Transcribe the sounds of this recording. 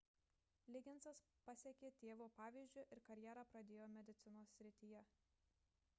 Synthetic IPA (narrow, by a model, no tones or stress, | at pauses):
lʲɪɡʲɪnsɐs | pɐsʲɛkʲeːt̪ʲeːʋoːpɑːʋʲiːzʲd͡ʒʲʊɪʔɪɾkɐɾʲjɛːɾɑːpɾɐd̪ʲeːjoːmʲɛd̪ʲɪt̪sʲɪnoːsːʲɾʲɪt̪ʲiːjɛ